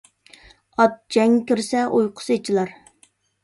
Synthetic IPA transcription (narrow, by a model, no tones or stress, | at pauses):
ɑt̪̚d͡ʒɛŋkʲyɾsɛʔojqʰʊ̥set͡ʃʰilˠɑɾ